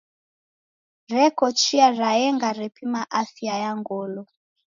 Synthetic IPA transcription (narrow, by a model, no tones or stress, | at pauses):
ɾɛkɔt͡ʃiaɾaɛŋɡaɾɛpimaʔaθiajaŋɡɔlɔ